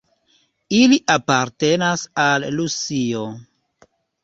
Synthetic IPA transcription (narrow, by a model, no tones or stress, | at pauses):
iliʔapaɾte̞nasalːusio